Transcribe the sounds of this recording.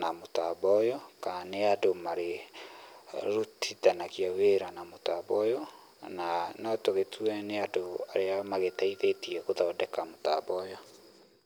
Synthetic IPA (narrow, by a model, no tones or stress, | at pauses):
namota̰bɔjɔkaneadomaɾe | ɾutʰitanakiaweɾanamotabɔjɔ | nanɔtoɣetʰuɛneadoa̰ɾeamaɣetaiðetiɛkoðaodɛkamota̰bɔjɔ